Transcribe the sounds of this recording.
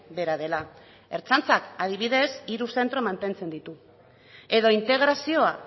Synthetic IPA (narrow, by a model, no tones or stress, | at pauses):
be̞ɾaðe̞la | e̞ɾt͡sant͡sakað̞iβ̞iðe̞siɾuse̞nt̪ɾo̞mant̪e̞nt͡se̞nd̪it̪u | e̞ðo̞int̪e̞ɣ̞ɾasio̞a